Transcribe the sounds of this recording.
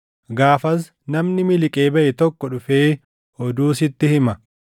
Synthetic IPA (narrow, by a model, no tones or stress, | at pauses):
ɡaːfɐs̬ | nɐmnɪmɪlɪkʼe̞ːbɐʔɛt̪ɔkːɔᶑʊfeː | ɔd̪uːsɪt̪ːɪhɪmɐ